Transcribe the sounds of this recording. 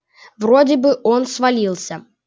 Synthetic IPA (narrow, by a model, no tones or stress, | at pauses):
vrodʲɪbɨʔonsvɐlʲilˠsʲə